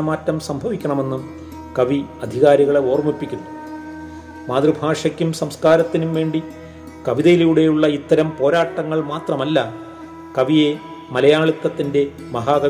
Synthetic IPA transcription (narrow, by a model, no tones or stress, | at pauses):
ɐmaːtːɐmsɐmbʱɐʋikʲːɐɳɐme̞nːum | kɐʋiɐd̪ʱiɣaːɾiɣɐɭeo̞ːrmipːikʲːunːu | maːd̪rɨbʱaːʂɐkʲːumsɐmskaːɾɐt̪ːinumʋe̞ːɳɖi | kɐʋiðɐjilejuɽe̞juɭːɐit̪ːɐɾɐmpo̞ːɾaːʈːɐŋːɐɭmaːt̪rɐmɐlːɐ | kɐʋije̞ | mɐlɐjaːɭuk̪ːɐt̪ːinde̞ | mɐɦaːkɐ